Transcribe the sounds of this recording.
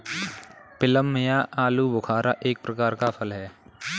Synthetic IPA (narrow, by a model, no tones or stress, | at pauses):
pɪləmːɪjaʔaːlubʊkʰaːɾaʔeːk̚pɾəkaːɾkapʰəlɦɛː